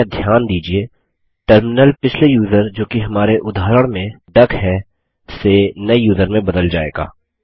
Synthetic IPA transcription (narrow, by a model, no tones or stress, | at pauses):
d̪ʱjaːnd̪iːd͡ʒie | ʈəɾmɪnəlpɪt͡ʃʰlejuːzəɾd͡ʒoːkiɦɐmaːɾeʔʊd̪aːɾəɽ̃mẽ | ɖɐkʰɦɛ | senɐijuːzəɾmẽbɐd̪əld͡ʒa̰ːḛːɡa̰ː